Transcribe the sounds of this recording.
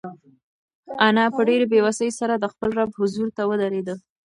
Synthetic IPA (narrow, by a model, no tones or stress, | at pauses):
anɑpəɖeɾebewasəjsaɾad̪əxpəlɾabhʊzuɾt̪awəd̪aɾed̪ə